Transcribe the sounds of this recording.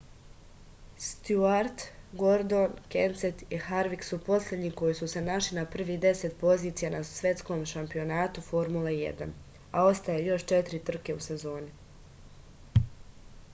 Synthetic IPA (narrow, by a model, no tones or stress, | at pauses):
st̪juaɾt̪ɡo̞ɾd̪onkenset̪ihaɾʋiksupo̞slʲe̞d̪ɲiko̞jisuse̞naʃlinapr̩ʋid̪e̞se̞t̪̚po̞ziːt̪sijanasʋʲje̞t̪sko̞mʃampio̞naːt̪ufo̞ɾmulejḛd̪a̰n | ao̞st̪ajejo̞ʃt͡ʃe̞t̪iɾit̪r̩ke̞use̞zo̞ːni